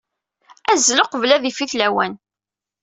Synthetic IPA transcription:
æzloqəvlæðifiθlæwæn

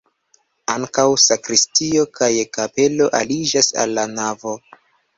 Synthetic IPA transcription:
aŋkawsakɾistio̞kʰajekape̞lo̞ʔa̰lid͡ʒasa̰lːanavo̞

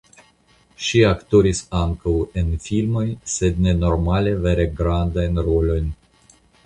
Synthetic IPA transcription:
ʃiakt̪o̞ɾisaŋkawenfilmo̞jse̞d̪ne̞no̞ɾmale̞ve̞ɾe̞ɡɾand̪ajnɾo̞lo̞jnʲ

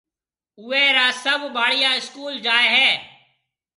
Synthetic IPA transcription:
ʊːeːɾaːsəbbaːɽijaːɪskuːld͡ʒaːeːɦɛː

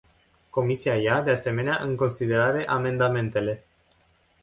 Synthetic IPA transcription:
ko̞misiajad̪ease̞me̞neaʔɨŋko̞nsid̪e̞ɾaɾe̞ʔame̞nd̪ame̞nt̪e̞le̞

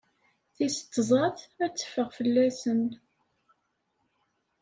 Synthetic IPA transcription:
θisə̥t̪ːzˤɑθæt͡sːə̥fəʁfəlːæsən

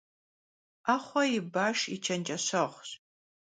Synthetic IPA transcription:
aːχʷɔjɪbaːʂḭt͡ʃʰɐnt͡ʃʼɐɕɐʁʷɕ

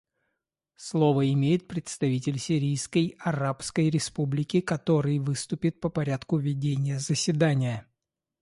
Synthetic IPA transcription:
slˠo̞vəɪmʲejɪt̪̚pɾʲɪt̪st̪ɐvʲitʲɪlʲsʲɪɾʲijskəjɐrapskəjɾʲɪspublʲɪkʲɪkɐt̪o̞ɾɨjvɨst̪ʊpʲɪt̪̚pəpɐɾʲat̪kʊvʲɪdʲenʲɪjəzəsʲvʲɪd̪anʲɪjə

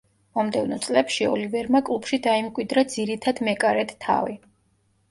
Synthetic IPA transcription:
mɔmd̪ɛvnɔt̪sʼlɛpʃiɔ̰livɛɾmakʼlˠupʰʃid̪aimkʼwid̪ɾad̪ziɾit̪ʰad̪mɛkʼaɾɛt̪t̪ʰːa̰vi

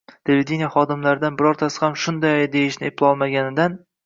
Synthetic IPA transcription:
t̪ʰelved̪ʲenijaχɒd̪ɪmlaɾɪd̪anbɪɾɒɾt̪ʰasɪ̥hamʃʊnd̪ajd̪e̞jɪʃnɪɪplˠɒlˠmaɡʲanɪd̪an

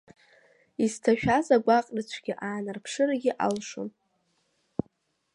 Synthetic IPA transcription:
iztʰaʃᶣazaɡʷaqʼrɨt͡ɕʷʰɡʲɪʔaːnɨrpʰʂɨraɡʲɪʔalʂo̰m

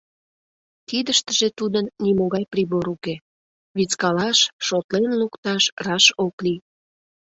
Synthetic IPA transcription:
t̪id̪əʃt̪əʒet̪ud̪ənːimoɣɑjpɾiβoɾuke | βit͡skɑlɑʃʃot̪lenlukt̪ɑʃrɑʃokli

